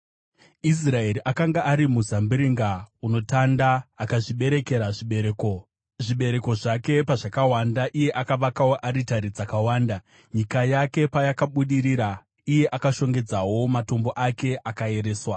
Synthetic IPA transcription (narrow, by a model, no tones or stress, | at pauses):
is̬rae̞ɾiʔakaŋɡaʔaɾimuzambiɾiŋɡauno̞tandaːkaʐiɓe̞ɾe̞ke̞ɾaʐiɓeeko | ʐiɓe̞ɾe̞ko̞ʐake̞paʐakawandaʔije̞ʔakaʋakawoʔaɾitaɾid͡zakawaːnda | ɲikajake̞pajakaɓuɗiɾiɾa | ije̞ʔakaʃo̞ŋɡe̞d͡zawo̞mato̞mbo̞ʔake̞ʔakae̞ɾe̞ːswa